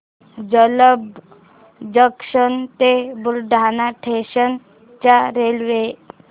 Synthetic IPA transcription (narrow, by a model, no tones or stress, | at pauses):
d͡ʑələb | d͡ʑəkʂənt̪ebuɾɖʱanaʈʰeɕən | t͡ɕaɾelʋe